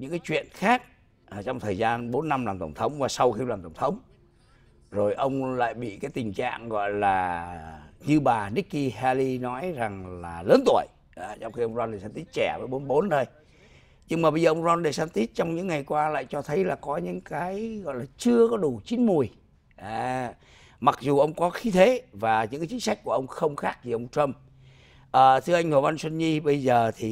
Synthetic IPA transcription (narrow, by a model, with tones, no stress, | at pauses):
ɲɨ̰˧˥ŋkaː˨˦jt͡ɕwḭ˧˨ənxaː˦˥k̚ | ʔt͡ɕwŋ͡mt̪ʰəː˨˩jzaː˧nɓo˨˦nːa˧mlaː˨˩mt̪ə˧˩wŋ͡mt̪ʰə˨˦wŋ͡mvaː˨˩sa˧wxi˧laː˨˩mt̪ə˧˩ŋ͡mt̪ʰə˨˦wŋ͡m | zo˨˩jʔə˧wŋ͡mla̰ː˧˨jɓḭ˧˨kaː˨˦jt̪ï˨˩ŋ̟t͡ɕa̰ː˧˨ŋɣɔ̰˧˨jlaː˨˩ | ɲɨ˧ɓaː˨˩ni˦˥kːi˧ha˧li˧nɔ˨˦jza˨˩ŋlaː˨˩ləː˨˦nt̪u˧˩əj | ʔːt͡ɕɔ˧ŋ͡mxi˧ʔə˧wŋ͡mzaː˧nɗe˨˩saː˧nt̪i˦˥t̚t͡ɕɛ˧˩vəː˨˦jɓo˨˦nɓo˨˦nt̪ʰo˧j | ɲɨ˧ŋmaː˨˩ɓə˧zəː˨˩ʔə˧wŋ͡mzɔ˧nɗe˨˩saː˧nt̪i˦˥t̚t͡ɕɔ˧wŋ͡mɲɨ̰˧˥ŋːa˨˩jkwaː˧la̰ː˧˨jt͡ɕɔ˧t̪ʰə˨˦jlaː˨˩kɔ˨˦ɲɨ̰˧˥ŋkaː˨˦jɣɔ̰˧˨laː˨˩t͡ɕɨ˧əkɔ˨˦ɗu˧˩t͡ɕi˨˦nmu˨˩əj | ʔaː˨˩ | ma˨˩k̚zu˨˩ʔə˧wŋ͡mkɔ˨˦xi˨˦t̪ʰe˨˦vaː˨˩ɲɨ̰˧˥ŋkaː˨˦t͡ɕï˨˦ŋ̟sa˦˥k̟̚ku˧˩əʔə˧wŋ͡mxə˧wŋ͡mxaː˦˥k̚vʰi˨˩ʔə˧wŋ͡mtɾə˧m | ʔəː˨˩t̪ʰɨ˧əʔa˧jŋ̟ho˨˩va˧nswə˧nɲi˧ɓə˧jzəː˨˩t̪ʰi˨˩